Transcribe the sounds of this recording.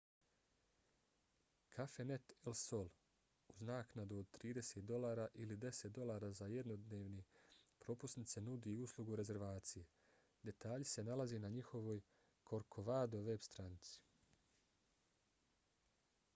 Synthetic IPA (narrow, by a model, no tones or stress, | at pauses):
kʰafe̞net̪elso̞lˠ | uznaːknad̪uod̪̚t̪ɾiːd̪e̞set̪̚d̪o̞lˠaːɾaʔilid̪e̞se̞t̪̚d̪o̞lˠaːɾaːzaje̞d̪no̞d̪neːʋnepɾo̞pusnit̪se̞nud̪iuːslˠuɡuɾe̞ze̞ɾʋaːt̪sije | d̪e̞t̪aːʎise̞nalazinaɲixo̞ʋo̞ːj | kʰo̞ɾkʰo̞ʋaːd̪o̞ʋe̞bst̪ɾanit̪si̥